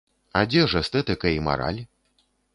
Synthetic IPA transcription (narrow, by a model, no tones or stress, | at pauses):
ad͡zʲɛʐɛst̪ɛt̪ɨkɐima̰ɾa̰lʲ